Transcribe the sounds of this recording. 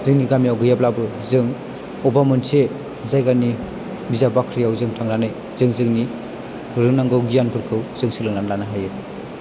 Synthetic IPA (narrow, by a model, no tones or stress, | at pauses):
zɯŋniɡamijawɡɯjablabɯzɯŋ | ɔbamɯnse | zajɡani | bizabakʰɾijawzɯŋtʰaŋnanɯj | zɯŋzɯŋni | ɾɯŋnaŋɡɯwɡijanpʰɯɾkʰɯwzɯŋsilɯŋnanlanaɦajɯ